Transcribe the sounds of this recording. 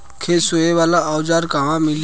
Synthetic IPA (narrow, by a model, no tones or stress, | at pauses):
kʰesoːeʋaːlaawd͡ʒaːɾkamãmɪl